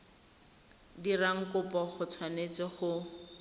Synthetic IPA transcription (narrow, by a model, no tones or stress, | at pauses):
diraŋ̩kʊpɔχʊt͡sʰwanet͡sɪχʊ